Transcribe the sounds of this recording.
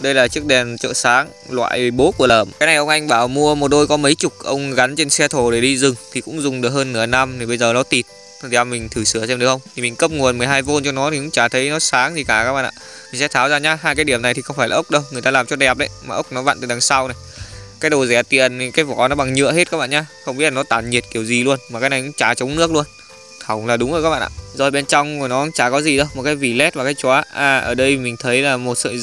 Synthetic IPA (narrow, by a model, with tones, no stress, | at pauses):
ɗə˧jlaː˨˩t͡ɕɨ˦˥ək̚ɗɛ˨˩nt͡ɕo̰˧˨saː˨˦ŋ | lwa̰ː˧˨jɓo˨˦ku˧˩ələː˨˩mkaː˨˦jna˨˩jʔə˧wŋ͡mʔa˧jŋ̟ɓaː˧˩wmu˧əmo˨˩t̚ɗo˧jkɔ˨˦mə˨˦jt͡ɕʊ˨˩k͡p̚ʔə˧wŋ͡mɣa˨˦nt͡ɕe˧nsɛ˧t̪ʰo˧˩ɗe˧˩ɗi˧zɨ˨˩ŋt̪ʰi˨˩kʊ̰˧˥ŋ͡mzʊ˨˩ŋ͡mɗɨ˨˩ək̚həː˧nːɨ˧˩əna˧mt̪ʰi˨˩ɓə˧jzəː˨˩nɔ˨˦t̪i˨˩t̪̚ʰ | i˨˩a˧mï˨˩ŋ̟t̪ʰɨ˧˩sɨ˧˩əsɛ˧mɗɨ˨˩əxə˧ŋ͡mt̪ʰi˨˩mi˨˩ŋ̟kə˦˥p̚ŋu˨˩ənm˨˩əjɦaː˧jvo˧nt͡ɕɔ˧nɔ˨˦t̪i˨˩kʊ̰˧˥t͡ɕaː˧˩t̪ʰə˨˦jnɔ˨˦saː˨˦ŋzi˨˩kaː˧˩kaː˦˥ɓa̰ː˧˨ʔa̰ː˧˩ | mi˨˩ŋ̟sɛ̰˧˥t̪ʰaː˨˦wzaː˧ɲaː˧haː˧jkaː˨˦jɗi˧˩əmna˨˩jt̪ʰi˨˩xə˧wŋ͡mfaː˧˩jlaː˨ʔə˦˥k͡p̚ɗə˧wŋɨ˨˩əj̪aː˧laː˨˩mt͡ɕɔ˧ɗɛ˨˩p̚ɗə˨˦jmaː˨˩ʔə˦˥k͡p̚nɔ˨˦va̰ː˧˨nt̪ɨː˧˨˩a˨˩ŋsa˧wna˨˩ | kaː˨˦jɗo˨˩zɛ˧˩t̪ḭ˧˨əni˨˩kaː˨˦jvɔ˧˨˩nɔ˨˦ɓa˨˩ŋɲɨ̰˧˨əɦe˦˥t̚kaː˦k̚ɓ̰ːɲaː˧xə˧wŋ͡mi˦˥tla˨˩ɔ˨˦t̪aː˧˩nɲi˨˩t̚ki˧˩əwzi˨˩lu˧ənmaː˨˩kaː˨˦jna˨˩jʔʊ̰˧˥˦ŋ͡mt͡ɕaː˧˩t͡ɕə˨˦wŋ͡mnɨ˦˥ək̚lu˧ən | xwŋ͡mlaː˨˩ɗʊ˨˦ŋ͡mʔo˨˧˩kaː˦˥ɓa̰ː˧˨ʔa̰ː˧˨zɔ˧˩jɓe˧nt͡ɕɔ˧wŋ͡mnɔ˨˦ʔŋ͡mt͡ɕaː˧˩kɔ˨˦zi˨˩ɗə˧wmo˨˩t̚kaː˨˦jvi˨˩lɛ˦˥t̚vaː˨˩kːaː˨˦jt͡ɕwaː˨˦ʔaː˧˩ʔə̰ː˧˩ɗə˧jmï˨˩ŋ̟t̪ʰə˨˦jlaː˨˩mo˨˩t̚sə̰ː˧˨